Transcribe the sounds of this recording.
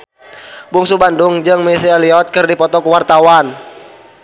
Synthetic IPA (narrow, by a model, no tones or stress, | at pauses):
buŋsubandʊŋd͡ʒɨŋmisialiɔt̪̚kɨrdipɔt̪ɔkuwart̪awan